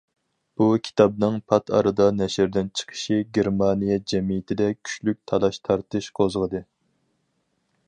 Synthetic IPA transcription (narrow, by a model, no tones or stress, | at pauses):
b̥ukʲʰi̥t̪ʰɑb̚nɨŋpʰɑt̪ʰɑ̰ɾɨd̪ɑnɛʃɪɾd̪ɪnt͡ʃʰə̥qʰə̥ʃiɡʲeɾmɑnijɛd͡ʒɛmijɪt̪ʰɪd̪ɛkʲʰy̥ʃlyk̚ʲt̪ʰɑlˠɑʃt̪ʰɑɾt̪ɨʃqʰozʁəd̪ɨ